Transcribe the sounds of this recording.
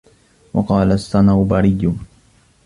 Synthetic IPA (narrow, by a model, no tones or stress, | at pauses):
wɑ̰qɑːlasːanabaɾɪjːʊ